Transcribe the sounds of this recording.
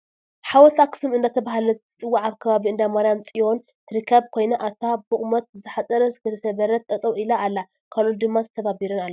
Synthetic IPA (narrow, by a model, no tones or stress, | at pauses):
ħawɔlt̪ʰakʰɨ̥sɨmɨnd̪at̪ʰɐβahalɐɨt͡sʼɨwːaʕaβkʰɐβaβiɨnd̪amaɾijamt͡sʼijo̞n | t̪ʰɨɾɨkʰːɐβkʰo̞jnɐʔat̪ʰabɨχʼmɐt̪̚zɨħat͡sʼɐɾɐzɡɨɾɐsɐβɐɾɐt̪ːʼɐt̪ʼɐwilaːlːa | kʰalold̪ɨmːazɨt̪ʰɐβabiɾɨnalː